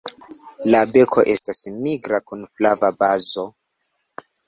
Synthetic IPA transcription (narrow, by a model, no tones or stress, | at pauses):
labe̞kʰo̞ʔe̞stasniɡɾakunflavabazo̞